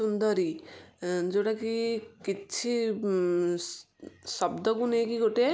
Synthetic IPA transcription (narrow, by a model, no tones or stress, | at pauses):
und̪ɔɾi | d͡ʒoɽakikit͡ʃʰi | sɔbd̪ɔkunekiɡoʈe